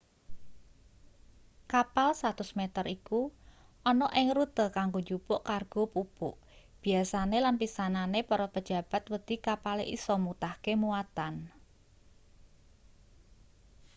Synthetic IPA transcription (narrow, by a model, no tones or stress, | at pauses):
kapalsat̪ʊsmet̪ərikuɔnɔʔɪŋɾut̪əkaŋɡod͡ʒupʊʔkarɡ̥opupʊʔ | b̥i̤asanelanpisananepɔɾɔpəd̥ʒ̥a̤b̥a̤t̪̚wəd̪̥ikapaleʔḭsɔmut̪ahkemuat̪an